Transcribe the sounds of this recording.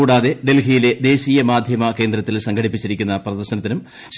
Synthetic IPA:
uːɽaːðe̞ɖe̞lɦijile̞d̪e̞ːɕiːjɐmaːd̪ʱjɐmɐke̞ːnd̪ɾɐt̪ːilsɐŋɡʱɐɽipːit͡ɕːiɾikʲːunːɐprɐðɐrɕɐnɐt̪ːinum | ɕ

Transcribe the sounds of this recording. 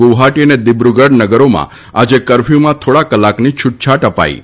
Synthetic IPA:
oʋɦaʈiəned̪ɪbɾuɡəɖnəɡəɾomã̰ | ad͡ʒekəɾfjumãt̪ʰoɽakəlːaknit͡ʃʰʊʈ̚t͡ʃʰaʈəpa̰ḭ

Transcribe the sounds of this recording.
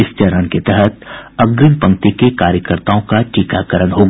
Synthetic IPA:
ɪst͡ʃəɾənket̪ɛɦət̪̚ɐɡɾɪnpɐ̃ŋ̚t̪ikekaːɾjəkəɾt̪aːõkaʈiːkakəɾənɦoɡ

